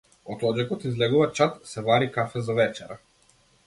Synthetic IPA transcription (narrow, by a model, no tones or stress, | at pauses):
ɔt̪ɔd͡ʒɛkɔt̪izlɛɡuvat͡ʃat̪sɛvaɾikafɛzavɛt͡ʃɛɾa